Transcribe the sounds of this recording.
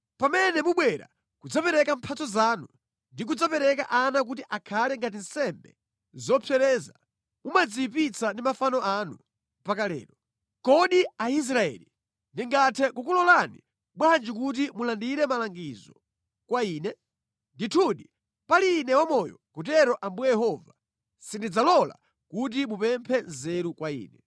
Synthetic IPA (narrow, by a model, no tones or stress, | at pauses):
pamɛnɛmuɓwɛɾa̰ | kud͡zapɛɾɛkampʰat͡sɔzaːnu | ndik̬ud͡zapɛɾɛka̰ʔanak̬utiʔakʰalɛŋɡat̬in̩sɛmbɛ | zɔpʰɛɾɛːza | mumad͡zipit͡sʰandimafanɔʔanu | mpakalɛ̰ːɾɔ | kɔɗiais̬ɾaɛ̰ːli | ndiŋɡatʰɛkukulɔlanḭ | ɓwand͡ʒikut̬imulandiɾɛmalaŋɡizɔ | kwaiːnɛ | nditʰuɗi | palinɛwɔmɔjɔ̰kutɛɾɔʔambujɛjɛhɔva | sindid͡zalɔla̰ | kut̬imupɛmpʰɛnzɛɾukwaḭːnɛ